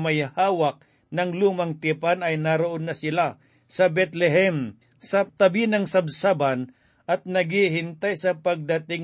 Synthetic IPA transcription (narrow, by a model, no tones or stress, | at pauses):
mɐjhaːwɐk̚ | nɐŋluːmɐŋt̪ɪpanɐjnaɾoʔonːɐsɪla | sɐbɛt̪lɛɦɛm | sɐt̪ɐbinɐŋsɐbsaban | ʔɐt̪̚nɐɡiɦɪnt̪ajsɐpɐɡ̚d̪ɐt̪ɪŋ